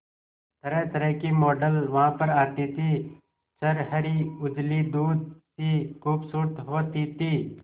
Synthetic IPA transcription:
t̪əɾəɦt̪əɾəɦkimɔːɖəlʋɐɦãpəɾaːt̪it̪ʰiː | səɾɦəɾiʊd͡ʒlid̪uːd̪̚sikuːpsuːɾt̪ɦoːt̪it̪iː

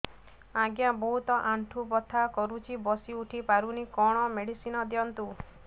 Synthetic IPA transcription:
aɡjabɔɦut̪ɔʔaɳʈʰubɔt̪ʰːakɔɾut͡ʃʰibɔsiuʈʰipaɾunikɔɽ̃ɔmeɽisinɔd̪jɔnt̪u

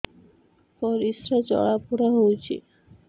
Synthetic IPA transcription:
pɔɾisɾat͡ɕɔ̰ɭapuɽaɦowt͡ɕʰḭ

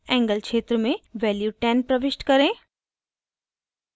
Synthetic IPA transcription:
ɛ̃ːŋɡəlkʃeːt̪ɾəmẽʋɛːljuʈɛːnpɾəʋɪʃʈkɐɾẽː

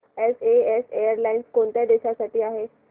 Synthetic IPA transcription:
eseesejəɾlainskont̪jad̪eɕasaʈiːaɦe

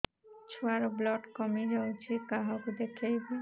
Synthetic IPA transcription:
t͡ɕʰuaɾblɔʈkɔmiɾaut͡ʃʰikaɦɔkud̪ekʰejba

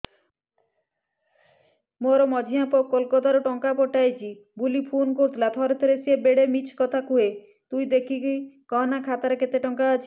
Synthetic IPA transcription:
moɾɔmɔd͡ʒʱiɦapɔkolkɔt̪aɾɔʈɔŋkapɔʈajt͡ʃʰi | bulipʰunkoɾut̪ʰlat̪ʰɔɾet̪ʰɔɾesiebeɽemit͡ʃʰkɔt̪ʰakuɦe | t̪ujd̪ekʰikijkɔɦɔnakʰat̪aɾeket̪eʈɔŋkaːt͡ʃʰi̥

